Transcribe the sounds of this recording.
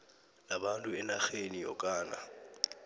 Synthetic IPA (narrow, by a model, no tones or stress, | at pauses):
nabantʼuɛnaxenijɔ̰kʼaːna̰